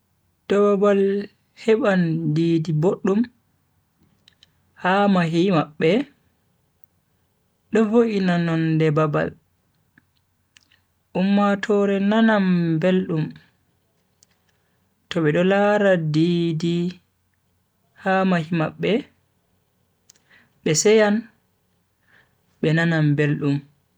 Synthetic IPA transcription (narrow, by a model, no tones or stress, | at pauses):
d̥ɔbabal | hɛɓandiːdiboɗːum | hamaɦimaɓːɛ | ɗɔvoʔinanɔndɛbaba̰l | ʔumːatʰɔɾɛnanambelɗum | tɔɓɛɗɔlaɾadidi | hamahimaɓːɛ | ɓɛsɛjan | ɓɛnanambelɗum